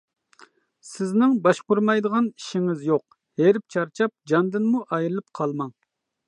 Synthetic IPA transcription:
sɪznɪŋbɑʃqʊɾmɑjd̪əʁɑniʃɪŋɪzjoq̚ | heɾɪp̚t͡ʃʰɑɾt͡ʃʰɑp̚d͡ʒɑnd̪ɨnmuʔɑjɾɨlˠɨpqʰɑlˠmɑŋ

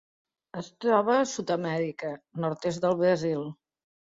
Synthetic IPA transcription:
əst̪ɾɔβ̞əsut̪əmɛɾikənɔɾt̪ezðəlˠβɾəzilˠ

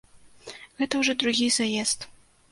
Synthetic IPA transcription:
ɣɛt̪ɐwʐɔd̪ɾuɣʲizajɛst̪

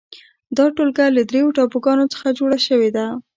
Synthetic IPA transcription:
d̪ɑʈolɡalad̪ɾejoʈɑpoɡɑnot͡sə̥xad͡ʒoɽaʃəwed̪a

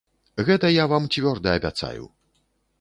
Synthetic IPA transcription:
ɣɛt̪ɐjavamt͡sʲvʲɔrd̪ɐɐbʲa̰t̪sa̰jṵ

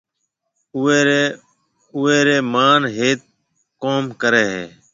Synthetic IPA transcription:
eːe | ʊeːɾeːmaːnɦeːt̪̚ | koːmkəɾeːɦḛː

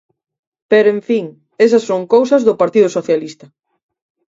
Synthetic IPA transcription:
peɾʊẽɱfiŋ | esɐsːoŋkowsɐzðʊpaɾt̪iðʊsoθjalist̪ɐ

